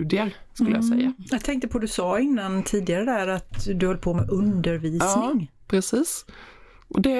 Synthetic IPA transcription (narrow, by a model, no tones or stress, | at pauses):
d̪ɪəɾskɵlːəjasɛ̰jːajɑɡ̚t̪ʰɛŋk̚t̪əpʰɔd̪ɵsɑːɪnːant̪ʰiːd̪ɪaɾəd̪æɾat̪d̪ɵhɔlːəpʰɔmɛʔɵnd̪əɾviːsnɪŋpʰɾɛsiːs | ʔɔd̪ɛ